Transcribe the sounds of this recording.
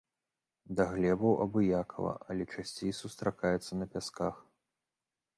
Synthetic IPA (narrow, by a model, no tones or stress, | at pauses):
d̪aɣlʲɛbɐwʔɐ̰bɨjakʰɐvɐ̰ʔɐlʲɛt͡ʂasʲt͡sʲejsust̪ɾakajɛt̪sːɐnɐpʲaskax